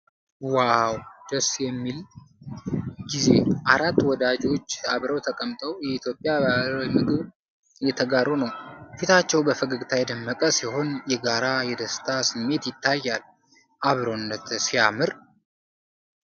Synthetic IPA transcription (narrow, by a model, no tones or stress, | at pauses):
wawd̪̥əsjɛmːil | ɡize̞ʔaɾat̪ːwɔd̪ad͡ʒo̞t͡ʃːaβɾəwt̪ʰəkʼəmt̪ʼəwjɛit̪jo̞pʼjajmɨɡɨβ | jɛt̪ʰəɡaɾonəwfit̪ʰat͡ʃːɛwbəfəɡəkʼt̪ʰajɛd̪ɨmːəkʼəsiho̞njɛɡaɾajɛd̪əst̪ʰasɨmːe̞t̪jɪt̪ʰːajːal | ʔaβɾonːət̪sijamɨɾ